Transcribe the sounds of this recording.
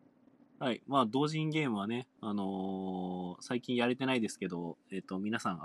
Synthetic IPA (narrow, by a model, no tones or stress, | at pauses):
haimaːd̪o̞ːʑĩŋɡe̞ːmɯ̟β̞ane̞ano̞ | saikʲĩɰ̃jaɾe̞t̪e̞naid̪e̞sɨ̥ke̞d̪o̞e̞ːt̪ːo̞mʲinasãɰ̃